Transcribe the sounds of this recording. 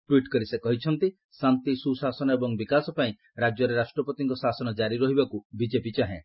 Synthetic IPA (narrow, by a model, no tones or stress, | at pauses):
ʈwiʈkɔɾisekɔɦit͡ʃʰɔnt̪i | sant̪isusasɔnɔebɔŋbikasɔpaĩ | ɾad͡ʒjɔɾeɾasʈɾɔpɔt̪iŋkɔsasɔnɔd͡ʒaɾiɾɔɦibakubid͡ʒepit͡ʃaɦẽ